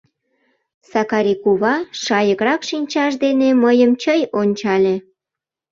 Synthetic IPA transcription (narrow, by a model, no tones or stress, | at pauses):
sɑkɑɾikuβɑʃɑjəɣrɑkʃinʲt͡ɕɑʃd̪eneməjəmt͡ɕəjonʲt͡ɕɑlʲe